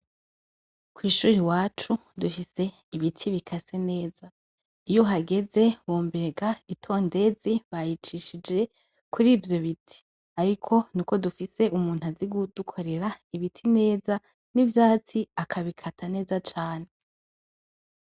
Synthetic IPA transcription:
kwiːʃuːɾiwaːt͡ʃudufise̞ | iβitʰiβikʰasene̞ːza | ijoɦaɡe̞ze̞woːmbeɡaitʰo̞ːnde̞ziβajit͡ʃiʃid͡ʒe̞ | kʰuɾiːvjo̞βitʰi̥ | aɾikʰo̞nuko̞dufise̞ʔumuːn̥haziɡud̥ukʰo̞ɾe̞ɾaiβitʰine̞ːza | nivjaːt͡siakʰaβikʰatʰane̞ːzat͡ʃaːne̞

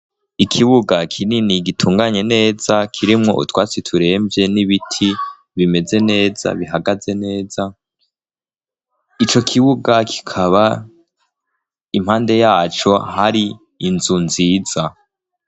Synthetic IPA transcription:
ikʰiβuɡakʰininiɡitʰuːŋɡaɲe̞ne̞ːzakʰiɾimŋo̞̰ʔṵtwaːt͡sitʰuɾe̞ːmvje̞niβitʰi | βime̞ze̞ne̞ːz̥a̰βiɦaɡaze̞ne̞ːza | it͡ʃo̞kʰiβuɡakʰi̥kʰaβa | im̥haːnde̞jaːt͡ʃo̞haɾiː | nzunziːz̥a

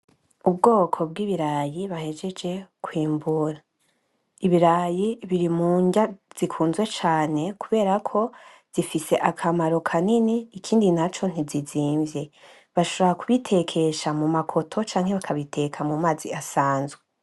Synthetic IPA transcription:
ubɡo̞ːkʰo̞b̚ɡiːβiɾaːjiβahe̞d͡ʒe̞d͡ʒe̞kwiːmbuɾa | iβiɾajiβiɾimuːɲɟaz̥ikʰuːnzwe̞t͡ʃaːne̞kuβe̞ːɾakʰo̞ | z̥ifise̞ʔakʰamaɾo̞kʰaniniːkʰiːndinat͡ʃo̞n̥iziziːɱvje̞ | βaʃoβoɾakuβitʰe̞kʰe̞ʃamumakʰo̞tʰo̞t͡ʃaːŋhe̞βakʰaβitʰe̞kʰamumaːziasaːnzɡwe

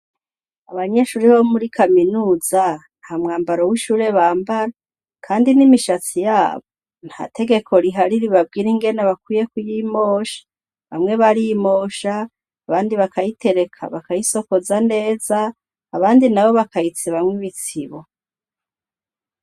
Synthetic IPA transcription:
aβaɲe̞ʃuːɾiβomuɾikʰaminuːzanhamŋaːmbaɾo̞wiʃuːɾe̞βaːmbaɾa | kʰaːndinimiʃat͡sijaːβo | n̥ha̰ːtʰe̞ɡe̞kʰo̞ɾiɦaɾiɾiβab̚ɡiːɾiŋɡe̞naβakwiːje̞kwujimoːʃḁ | βa̰mŋe̞βaɾimo̞ːʃaː | βaːndiβakajite̞ɾe̞kʰa̰βakajiso̞ko̞zane̞ːzaː | βaːndinawo̞βakajit͡seβamŋiβit͡siβo

